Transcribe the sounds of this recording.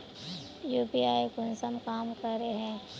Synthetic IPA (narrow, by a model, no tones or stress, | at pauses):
juːpiaːikʊnsəmkaːmkəɾeɦɛ̃ː